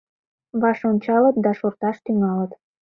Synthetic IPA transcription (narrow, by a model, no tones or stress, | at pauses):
βɑʃonʲt͡ɕɑlət̪̚d̪ɑʃort̪ɑʃt̪yŋɑlət̪